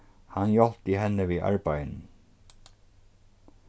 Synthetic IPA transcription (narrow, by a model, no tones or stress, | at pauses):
hanjɔlt̪ihɛnəʋiʔɑ̰ɹbajnn̩